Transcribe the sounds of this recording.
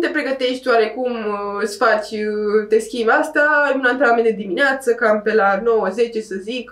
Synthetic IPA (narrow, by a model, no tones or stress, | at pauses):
t̪e̞pɾe̞ɡət̪e̞ʃt̪ʲwaɾekumɨt̪sfat͡ʃʲt̪e̞skʲimbast̪aunant̪ɾeamend̪ed̪imineat̪səkampe̞lano̞wəze̞t͡ʃe̞səzik